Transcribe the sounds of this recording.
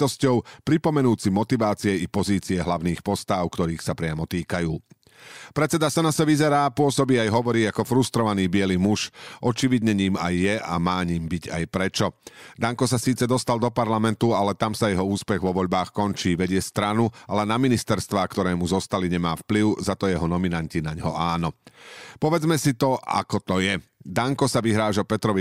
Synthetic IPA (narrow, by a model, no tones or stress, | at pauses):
ɔscɔʊpɾipɔmɛnuːt͡simɔt̪iʋaːt͡siɛipɔziːt͡siɛɦlaʊniːxpɔst̪aʊkt̪ɔɾiːxsapɾɪamɔt̪iːkajuː | pɾɛt͡sɛd̪asɔnasɛʋizɛɾaːpʊɔsɔbiːajɦɔʋɔɾiːakɔfɾust̪ɾɔʋaniːbɪɛlimuʃʔɔt͡ʃiʋid̪ɲɛɲiːmajːɛa̰maːɲiːmbiɟa̰jpɾɛt͡ʃɔd̪aŋkɔs̬asiːt͡sɛd̪ɔst̪ald̪ɔpaɾlamɛnt̪ualɛt̪amsajɛɦɔuːspɛɣʋɔʋɔʎbaːxkɔnt͡ʃiːʋɛɟɪɛst̪ɾanualɛnaminist̪ɛɾst̪ʋaːkt̪ɔɾɛːmuzɔst̪aliɲɛmaːfpliʊzat̪ɔjɛɦɔnɔminaɲcinaɲɦɔ̰ʔaːnɔpɔʋɛd͡zmɛsit̪ɔa̰kɔt̪ɔjɛd̪aŋkɔsaʋiɦɾaːʒapɛt̪ɾɔʋi